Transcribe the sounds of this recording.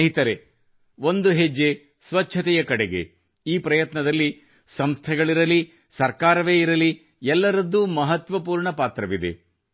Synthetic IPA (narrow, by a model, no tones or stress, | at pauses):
ɦit̪ɐɾe | ʋond̪uɦed͡ʒːe | sʋɐt͡ʃʰːɐt̪ɛjɐkɐɽeɡe̞̰ | iːpɾɐjɐt̪nɐd̪ɐlːi | sɐmst̪ʰɛɡɐɭiɾɐli | sɐɾkaːɾɐʋe̞ːiɾɐli | ɛlːɐɾɐd̪ːumɐɦɐt̪ʋɐpuːɾɳɐpaːt̪ɾɐʋid̪e̞̰